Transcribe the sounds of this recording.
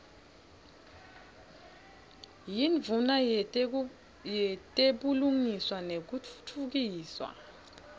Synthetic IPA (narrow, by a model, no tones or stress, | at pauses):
jiɱvuna | jɛtʼeɓuluŋiswanek̬u̥tʰuɣ̬iːswa̰